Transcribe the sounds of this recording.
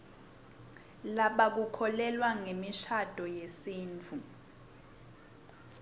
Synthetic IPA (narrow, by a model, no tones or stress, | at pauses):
laɓak̬ukʰɔlɛlwaŋemiʃad̥ʱɔjesiːnt͡fʰu